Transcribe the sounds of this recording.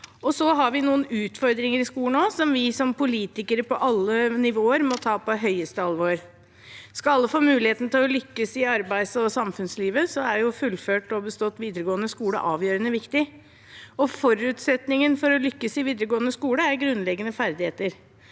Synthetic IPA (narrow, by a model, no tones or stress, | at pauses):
ɔsɔɦɑɾʋɪnuːənʉːt̪fɔɾd̪ɾɪŋəɾɪskuːlən̩oːsɔmʋɪsɔmpʊliːt̪ɪkəɾəpɔʔɑlːənɪʋoːəɾmɔt̪ʰɑːpɔɦœʏəst̪əɑlʋoːɾ | skɑlɑlːəfoːmʉːlɪheːt̪nət̪ʰɪlɔlʏkːəsɪɑɾbæɪsɔsɑmfʉnsliːʋəsɔæɾjʊfʉlføːʈɔbəst̪ɔt̪ːʋiːd̪əɾəɡoːənəskuːlə̰ʔɑːʋjøːɾənəʋɪkt̪ɪ | ɔfɔɾʉːt̪sɛt̪nɪŋənfɔɾɔlʏkːəsɪʋiːd̪əɾəɡoːənəskuːləæɾɡɾʉnlɛɡənəfæɾd̪ɪheːt̪əɾ